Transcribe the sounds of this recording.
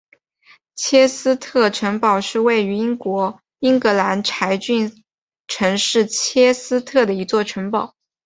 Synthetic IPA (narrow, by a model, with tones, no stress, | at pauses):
t͡ɕʰjɛ˥sɹ̩˥t̪ʰɤ˥˩ʈ͡ʂʰɤ˧˥ŋpɑ˨˩ʊʂɻ̩˥˧we˥˩ɪy˧˥i˥ŋkwɔ˧˥ | i˥ŋkɤ˧˥la˧˥nʈ͡ʂʰa˧˥ɪt͡ɕy˥˩n | ʈ͡ʂʰɤ˧˥ŋʂɻ̩˥˩t͡ɕʰjɛ˥sɹ̩˥t̪ʰɤ˥˩d̪ə˩i˧˥t͡swɔ˥˩ʈ͡ʂʰə˧˥ŋpɑ˨˩˦ʊ